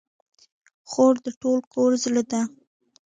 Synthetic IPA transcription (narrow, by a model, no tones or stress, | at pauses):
xoɾd̪əʈolkoɾzləd̪a